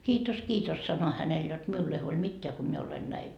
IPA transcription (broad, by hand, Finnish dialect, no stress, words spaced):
kiːtos kiːtos sɑno hænel jot miulː ei huolʲ mitːeæ ko mie olen næiʋ